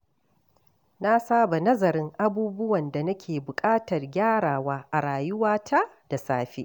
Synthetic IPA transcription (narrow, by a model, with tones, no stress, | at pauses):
na˦saː˦ba˨nɐ˦zɐ˨ɾɪ˦ŋʔa˦buː˦bʊ˦wɐ˨nda˨nɐ˦kʲʰeː˨bʊ˨kʼaː˦tɐ˨rɡʲaː˦ɽaː˨waː˦ʔa˨ɽaː˨jʊ˦waː˦tʰa˦ | d̥a˨saː˦ɸḭ˦